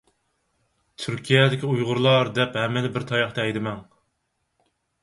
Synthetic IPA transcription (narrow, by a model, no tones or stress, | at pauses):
t̪ʰyɾkʲʰijɛd̪ɪkʲiujʁʊɾlˠɑɾd̪ɛphɛmːɪd̪ɪbɪɾt̪ʰɑjɑχt̪ɛɛjd̪ɪmɛŋ